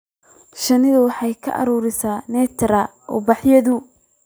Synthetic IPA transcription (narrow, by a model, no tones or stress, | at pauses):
ʃɐnɪðʊwɑħɑjkʰɐ̰ʔɐ̰ɾɔːɾɪsaːnɛːt̪ʰɾɐ | ɔ̰ːbɑħjɐðʊ